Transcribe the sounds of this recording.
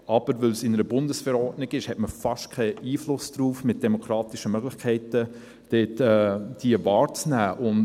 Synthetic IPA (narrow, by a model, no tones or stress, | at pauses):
ʔɑb̥əɾʋɵlsɪnəɾəbʊndəsfɛɾɔːɾtnɪɡɪʃhɛtməfɑʃtkʰɛiːflʊsd̥ɾuːfmɪt̚d̥ɛmokʰɾɑːtiʃəmœɡlɪxkʰɛɪtə | d̥eːtɛːd̥iəvɑːɾt͡snæːʔʊn